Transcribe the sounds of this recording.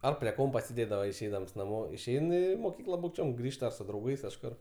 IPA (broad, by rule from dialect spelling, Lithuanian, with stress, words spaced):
ˈɐr pʲrʲiɛ ˈkoːmpɐ sʲeːˈdʲeːdɐʋɐ ɪʃʲˈɛɪdɐms nɐˈmoː ɪʃʲˈɛɪn ˈiː moːˈkʲiːklˠɐ buːkˈt͡ʃʲoːm ˈɡrʲiːʃtɐ sʊ drɐʊˈɡɐɪs kɐʃˈkʊr